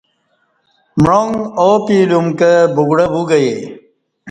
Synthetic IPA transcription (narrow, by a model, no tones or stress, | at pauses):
mɻoŋoːpiːlumkebuɡɽɐbuɡɐje